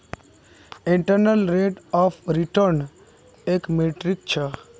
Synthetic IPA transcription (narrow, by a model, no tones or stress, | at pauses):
ĩɳʈəɾnəlɾeʈɔːpʰɾiʈəɾn | ekmeʈɾik̚t͡ʃʰe